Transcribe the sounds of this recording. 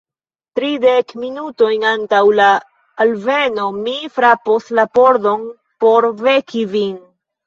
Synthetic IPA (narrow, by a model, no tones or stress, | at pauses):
tɾidekminuto̞jnantawlaː | lve̞no̞mifɾaposlapo̞ɾdo̞n | po̞ɾve̞kʰivin